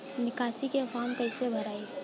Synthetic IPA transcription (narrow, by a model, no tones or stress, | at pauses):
nɪkaːsikefaːmkəɪsebʱəɾaːi